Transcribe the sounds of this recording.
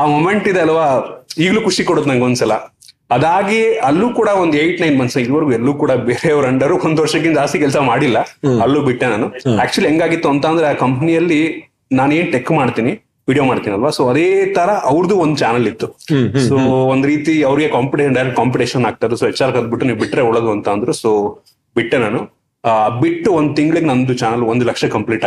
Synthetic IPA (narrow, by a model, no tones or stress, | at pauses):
aːmome̞ɳʈid̪eɐlʋaːiːɡluːkuʂikoɽoːd̪nɐnŋɡond̪usɐlɐ̰ | ɐd̪aːɡiɐlːuːkuːɽɐond̪uejʈnɐjnmɐnsaid̪ʋɐɾɡuɛlːuːkuːɽɐbeːɾeɐʋɾɐɳɖɐɾuond̪uʋɐɾʂɐkːind͡ʒaːst̪ikɛlsɐmaːɽilːɐɐlːuːbiʈːenaːnuæːk̚t͡ʃuɐliɦɛŋɡaːɡit̪ːuɐnt̪aːnd̪ɾeaːkɐmpnijɐlːi | naːnue̞ːnʈekːmaːɽt̪iːni | ʋiːɽiomaːɽt̪iːniɐlʋasoːɐd̪eːt̪ɐɾɐʔɐʋɾd̪uond̪ut͡ʃaːnɐlit̪ːusoːond̪uɾiːt̪iɐʋɾiɡe̞kaːmpiʈeʃɐnɳɖɐjɾeʈkaːmpiʈeːʃɐnaːɡ̚t̪aːd̪esoːɛt͡ʃːaːɾkɐd̪̚biʈːuniːʋbiʈːɾeuɭɐd̪uɐnt̪ɐːnd̪ɾusoː | biʈːenaːnu | biʈːuʋond̪ut̪iŋɡɐɭiɡenɐnd̪ut͡ʃaːnɐlond̪ulɐkʂɐkɐmpliːʈa